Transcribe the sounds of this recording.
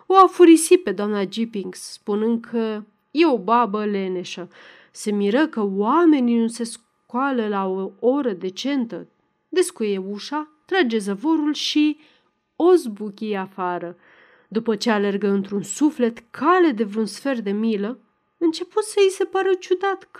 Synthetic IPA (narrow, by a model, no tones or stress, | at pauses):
o̞afuɾisit̪̚pe̞d̪oamnad͡ʒipiŋɡsːpunɨnd̪̚kʰə | je̞o̞babəle̞ne̞ʃə | se̞miɾəkəwame̞ninuse̞s | kwaləlaoo̞ɾəd̪e̞t͡ʃe̞nt̪ə | d̪e̞skuje̞uʃat̪ɾad͡ʒe̞zəvo̞ɾulʃi | o̞zbukʲijafaɾə | d̪upət͡ʃe̞ale̞rɡəɨnt̪ɾunsufle̞t̪kʰale̞d̪e̞vɾeunsfe̞rd̪e̞milə | ɨnt͡ʃe̞put̪səjise̞paɾət͡ʃud̪at̪